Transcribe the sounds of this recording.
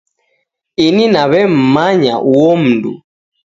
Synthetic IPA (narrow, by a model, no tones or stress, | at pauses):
ininaβɛm̩maɲa̰ʔuwɔm̩dṵ